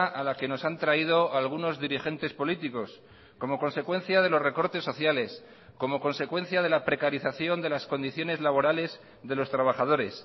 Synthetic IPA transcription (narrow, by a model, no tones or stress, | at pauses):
ʔalake̞no̞sant̪ɾaið̞o̞alɣ̞uno̞zðiɾixe̞nt̪e̞spo̞lit̪iko̞s | ko̞mo̞ko̞nse̞kwe̞nθjaðe̞lo̞zre̞ko̞ɾt̪e̞sːo̞θjale̞s | ko̞mo̞ko̞nse̞kwẽ̞n̟θjað̞e̞lapɾe̞kaɾiθaθjo̞nd̪e̞lasko̞nd̪iθjo̞ne̞zlaβo̞ɾale̞z | ðe̞lo̞st̪ɾaβ̞aχaðo̞ɾe̞s